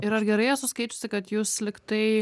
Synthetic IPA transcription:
ɪɾɐrɡʲɛɾɐɪɐtsʊskɐɪt͡ʃʲʊːsʲɪkɐt̪juːslʲɪkt̪ɐɪ

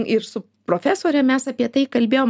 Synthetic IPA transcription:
ɪɾsʊ | pɾoːfʲæːsoːɾʲɛmʲɛsɐpʲiɛt̪ɐɪkɐlʲbʲeːjoːm

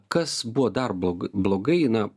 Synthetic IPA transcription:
kɐsbuʋod̪ɐrbblˠoːɡɐɪnɐ

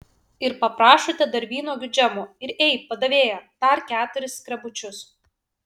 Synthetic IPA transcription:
ɪɾpɐpɾɑːʃoːt̪ʲɛd̪ɐɾʲʋʲiːnoːɡʲʊd͡ʒʲɛmoːɪɾɛɪpɐd̪ɐʋʲeːjod̪ɐɾkʲæːt̪ʊɾʲɪskɾʲɛbʊt͡ʃʲʊs

